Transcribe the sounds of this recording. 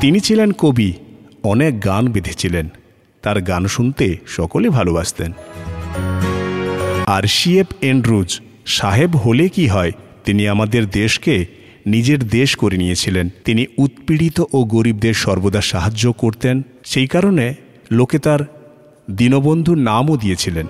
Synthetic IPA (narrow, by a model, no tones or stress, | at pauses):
t̪init͡ɕʰilenkobi | ɔnek̚ɡanbed̪ʱet͡ɕʰilen | t̪aɾɡanʃunt̪eʃɔkolebʱalobaʃt̪en | aɾʃiepeɳɖɾud͡ʑ | ʃaɦebɦolekiɦɔet̪iniamad̪eɾd̪eʃke | nid͡ʑeɾd̪eʃkoɾenijet͡ɕʰilent̪iniut̪̚piɽit̪oʔoɡoɾib̚d̪eɾʃɔɾbod̪aʃaɦad͡ʑːokoɾt̪en | ʃejkaɾone | loket̪aɾ | d̪inobond̪ʱunamod̪iet͡ɕʰilen